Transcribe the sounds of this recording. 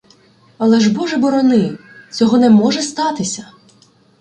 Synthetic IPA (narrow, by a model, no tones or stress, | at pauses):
ɐlˠɛʒbɔʒɛbɔɾɔnɪt͡sʲɔɦɔnɛmɔʒɛst̪ɑt̪ɪsʲɐ